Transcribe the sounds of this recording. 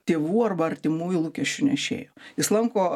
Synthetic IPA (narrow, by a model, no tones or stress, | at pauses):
t̪ʲeːʋuːɐrbɐɐɾʲt̪ʲɪmuːjʊlˠuːkʲɛʃʲt͡ʃʲʊnʲɛɪʃʲḛːjoːjɪslˠɐŋkoː